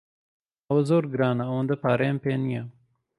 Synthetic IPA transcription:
ɐwɐzoːɾɡɨɾaːnɐːwɐnd̪ɐpaːɾeːmpeːnijɛ

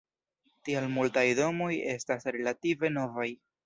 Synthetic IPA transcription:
tialmultajdo̞mo̞je̞stasɾe̞lative̞no̞vaj

